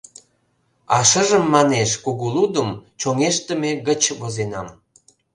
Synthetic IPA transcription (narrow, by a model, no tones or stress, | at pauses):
ɑʃəʒəmːɑneʃkuɣulud̪əmt͡ɕoŋeʃt̪ə̆meɣət͡ɕβozenɑm